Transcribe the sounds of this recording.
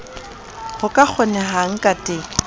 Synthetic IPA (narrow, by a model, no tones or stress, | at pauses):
χʊkʼak͡xʰʊnɛɦaŋ̩kʼatʼɪ